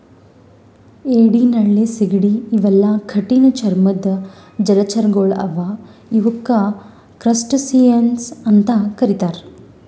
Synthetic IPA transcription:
eːɽiːnɐɭːisiɡiɽiːʋɛlːɐkʰɐʈinɐt͡ʃɐɾmɐd̪ɐ | d͡ʒɐlɐt͡ʃɐɾɡoːɭɐ̰ʋaiʋukːɐ | kɾɐsʈsijɐnsɐnt̪ɐkɐɾit̪aːɾ

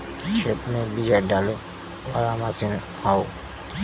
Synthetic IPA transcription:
t͡ʃʰeːt̪mẽbid͡ʒajɖaːle | ɔɾamasin | hao

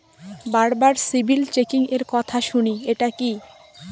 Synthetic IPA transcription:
baɾbaɾsibʱilt͡ɕekiŋeɾkɔt̪ʰaʃunieʈaki

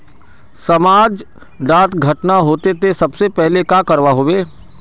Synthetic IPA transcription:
sɐmaːd͡ʒ | ɖaːt̪ɡʱɐʈnaɦoːt̪et̪esɐbsepɛɦlekaːkɐɾʋaɦoːʋeː

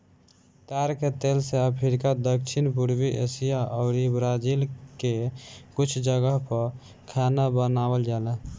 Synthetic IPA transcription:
t̪ɛːɾket̪eːlseəpʰɪɾɪkad̪əkʃʰɪnpuɾwiʔesijaʔɔːɾibɾad͡ʒilkekʊt͡ʃʰd͡ʒəɡəɦpəɾ | kʰaːnabənaːwəld͡ʒaːlɛ

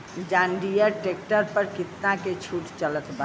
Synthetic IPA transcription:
d͡ʒaːɳɖijəɾʈek̚ʈəɾpəɾkɪt̪naket͡ʃʰuʈt͡ʃələt̪ba

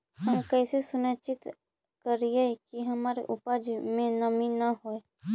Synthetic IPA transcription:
həmkɛːsesʊnət͡ʃɪt̪ | kəɾiekiɦəmaːɾḛʔʊpad͡ʒmẽnəminəɦoe

